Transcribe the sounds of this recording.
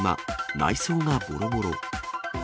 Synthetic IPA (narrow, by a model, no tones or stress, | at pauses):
ma̰la̰isõːɡabo̰ɾoboɾo